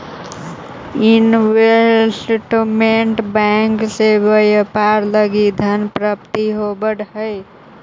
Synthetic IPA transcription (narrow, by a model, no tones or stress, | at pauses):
inwesʈmeɳʈbaŋksebəjəpaɾləɡid̪ʱənpɾəp̚t̪iɦobəɽhəɪ